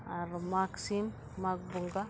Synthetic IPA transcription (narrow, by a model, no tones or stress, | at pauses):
aɾmaksimː | ak̚buŋɡa